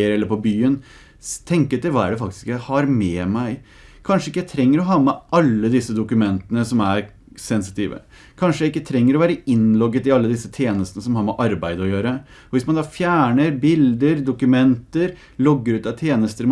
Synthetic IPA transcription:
əɾɛlːəɾpɔbyːən | t̪ʰɛŋkəɛt̪ɪlʋɑːæ̰ɖɛfɑk̚t̪ɪ̥skjæɪhɑɾmɛmæɪ | kʰɑnʂəɪkːjæɪt̪ʰɾɛŋːəɾɔɦɑːmɛʔɑlːəd̪ɪsːəd̪ʊkʉmɛnt̪ənəsɔmæɾ | sɛns̬ɪ̥t̪ʰiːʋə̰ | kʰɑnʂəjæɪɪkːət̪ʰɾɛŋːəɾɔʋæːɾəɪnlɔɡːət̪ɪɑlːəd̪ɪsːət̪ʰjeːnəst̪ənəsɔmhɑːɾmɛʔɑɾbæɪd̪əɔjøːɾə | ɔʋɪsmɑnd̪ɑːfjæːɳəɾbɪld̪əɾd̪ʊkʉmɛnt̪əɾ | lɔɡːəɾʉːt̪ɑʋt̪ʰjeːnəst̪əɾ

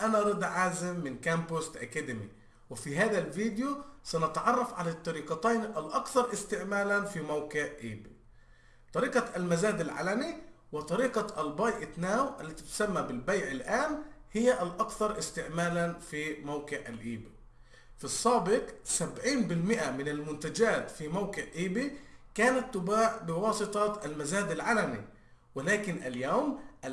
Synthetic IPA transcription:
ʔanaɾˤɑd̪ʕaːzɪmːɪnkæmpʊsʔakæd̪ɪmḭ | wɪfiɦaːðælviːd̪ɪjosænɪt̪ʕɑrˤːɑfʕalat̪ˤːɑɾiːqɑt̪ajnʔalʔɑkθɑɾˤʔɪst̪ɪʕmaːlænfimawkɪʕʔiːb | t̪ˤɑɾiːqɑælmaæzaːd̪alʕa̰lami | wɪt̪ˤɑɾiːqɑʔælbɑjʔɪt̪naːwʔalːæt̪it̪ʊ̥samːæbɪlbajʕɪlʔaːnhɪjːaʔalʔɑkθɑɾˤʔɪst̪ɪʕmaːlanfiːmawkɪʕa̰lʔiːbi | fisˤːɑːbɪqsabʕiːnbɪlmɪʔamɪnalmʊnt̪ad͡ʒaːt̪fimawkɪʕʔiːbikaːnat̪ːʊbaːʕbɪwɑːsˤɨt̪ˤɑʔalmazaːd̪alʕalamḭ | wɪlaːkɪnʔaljawmʔa

